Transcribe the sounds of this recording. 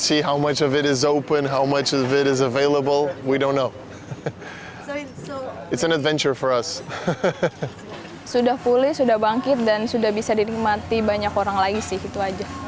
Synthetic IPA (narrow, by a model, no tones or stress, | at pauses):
siɦaʊmʌt͡ʃʌvɨɾɪzoʊpə̃nɦaʊmʌt͡ʃʌvɪɾɨzəveɪlˠəbəl̩ˠwidõʊ̃nːoʊ | ɨtsɨ̃nɨdvɛ̃nt͡ʃə˞fə˞ʌs | sudahpulɪhsudahbaŋkɪt̪̚dansudahbisadiɾɪik̚mat̪ibaɲakoɾaŋlaɡisɪhit̪uad͡ʒa